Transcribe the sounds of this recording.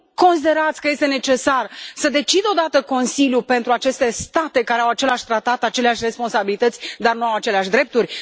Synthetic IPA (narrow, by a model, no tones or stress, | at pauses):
ko̞nsid̪e̞ɾat̪sʲkəje̞st̪e̞ne̞t͡ʃe̞sarsəd̪e̞t͡ʃid̪o̞d̪at̪əko̞nsiljupe̞nt̪ɾuat͡ʃe̞st̪e̞st̪at̪e̞kaɾeawat͡ʃe̞leaʃt̪ɾat̪at̪at͡ʃe̞leaʃʲre̞spo̞nsabilit̪ət̪sʲd̪arnuawat͡ʃe̞leaʃd̪ɾe̞p̚t̪urʲ